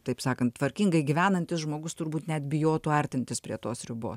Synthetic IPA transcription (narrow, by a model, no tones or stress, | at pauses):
t̪ɐɪpsɑːkɐnt̪t̪ʋɐɾʲkʲiːŋɡɐɪɡʲɪʋʲæːnɐnʲt̪ʲɪsʒmoːɡʊst̪ʊɾbuːt̪nʲɛt̪bʲɪjoːt̪uːɐɾʲt̪ʲɪnʲt̪ʲɪspʲɾʲḭɛt̪oːsɾʲɪbo̰ːs